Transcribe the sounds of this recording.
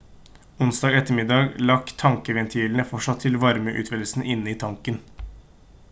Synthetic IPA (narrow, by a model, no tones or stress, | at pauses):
ʊnsd̪ɑːɡɛt̪ːəɾmɪd̪ɑːɡlɑkt̪ʰɑŋkəʋɛnt̪ʰiːln̩əfɔʂɑt̪ʰːɪlʋɑɾməʔʉ̰ːt̪ʋɛd̪əl̩sn̩ʔɪnːəiːt̪ʰɑŋkən